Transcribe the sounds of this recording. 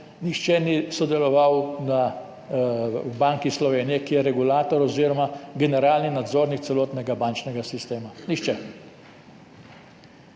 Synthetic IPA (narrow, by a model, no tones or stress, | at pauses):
nixt͡ʃɛnisɔd̪ɛlɔʋawna | wbaŋkislɔʋeːnijɛkijɛɾɛɡulaːt̪ɔɾɔziːɾɔmaɡɛnɛɾaːlninad̪zoːɾnikt̪sɛloːt̪nɛɡabant͡ʃnɛɡasist̪eːmanixt͡ʃɛ